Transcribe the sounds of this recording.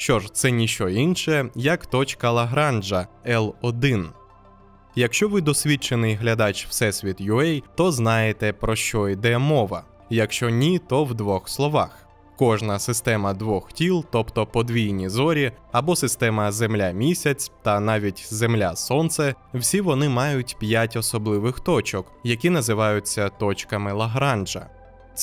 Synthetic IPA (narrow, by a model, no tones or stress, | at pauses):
ʃt͡ʃɔʒt̪sɛnʲiʃt͡ʃɔinʃɛjɐkt̪ɔt͡ʃkɐlˠɐɦɾɑnd͡ʒɐɛlˠɔd̪ɪn | jɐkʃt͡ʃɔʋɪd̪ɔsʲʋʲit͡ʃenɪjɦlʲɐd̪ɑt͡ʃwsɛsʲʋʲit̪jʊɛjt̪ɔznɑjet̪ɛpɾɔʃt͡ʃɔid̪ɛmɔʋɐ̰ | jɐkʃt͡ʃɔnʲit̪ɔwd̪ʋɔxslˠɔʋɑ̰x | kɔʒnɐsɪst̪ɛmɐd̪ʋɔxtʲilˠt̪ɔpt̪ɔpɔd̪ʋʲijnʲizɔɾʲiɐbɔsɪst̪ɛmɐzemlʲamʲisʲɐt͡sʲt̪ɐnɑʋʲitʲzemlʲasɔnt̪sɛ | wsʲiʋɔnɪmɑjʊtʲpʲjatʲɔsɔblˠɪʋɪxt̪ɔt͡ʃɔkjɐkʲin̪ɐzɪʋɑjʊt͡sʲːɐt̪ɔt͡ʃkɐmɪlˠɐɦɾɑnd͡ʒɐ̰